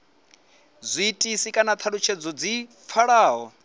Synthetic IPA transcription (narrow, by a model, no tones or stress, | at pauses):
zʷiːtʼisikʼanat̪ʰaɺut͡ʃʰed͡zɔd͡zip̪fʰaɺaːɦɔ